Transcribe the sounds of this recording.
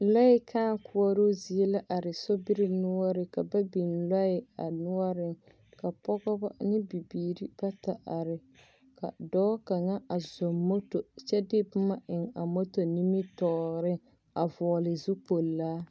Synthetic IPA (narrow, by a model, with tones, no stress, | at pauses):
la˦ɪ˦kʰaː˦ŋkʰʊ˦ɔ˦ɾo˦zi˨e˦la˦ʔa˨ɾɪ˨so˦bi˦ɾɪ˦nʊ˦ɔ˦ɾɪ˨ka˨ba˦bi˨nla˦ɪ˨a̰˨nʊ˦ɔ˦ɾɪ˨ŋ | ka˨pɔ˦ɡɔ˦ba˦nɪ˦bi˨biː˨ɾi˦b̥a˦ta˨ʔa˨ɾɪ˨ | ka̰˨dɔː˦ka˨ŋa˦a˨zo˨mːo˦to˨t͡ʃɛ˦dɪ˦bʊ˦ma˦ʔɪ˨ŋa̰˨mo˦to˨ni˦mi˦tɔː˨ɣɾɪ˦ | a˨vɔː˨lɪ˨zʊ˦po˨lːaː˦